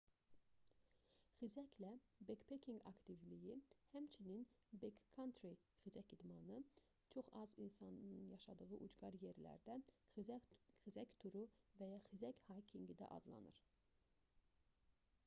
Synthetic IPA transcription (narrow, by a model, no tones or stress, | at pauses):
χizæclæbekpʰekʲʰiŋɡɑ̰kt̪ivlijihæmt͡ʃʰininbekkʰːɑnt̪ʰɾi | χizæcid̪mɑnɯ | t͡ʃʰo̞χɑzinsɑnjɑʃɑd̪ɯʁɯʔud͡ʒɡɑɾje̞ɾlæ̰ɾd̪æ | χizæct̪ʰuɾuvæjɑχizæchɑjkʰiŋɡid̪æ̰ʔɑ̰d̪lˠɑ̰nɯ̰ɾ